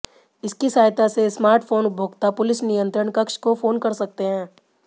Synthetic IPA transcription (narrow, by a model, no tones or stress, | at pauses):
ɪskisaːjt̪asesmaːɾʈpʰoːnbʱoːɡt̪apʊlɪsnijə̃nt̪ɾəɳkɐkʃkofʰoːnkɐɾsɐk̚t̪eɦɛ̃ː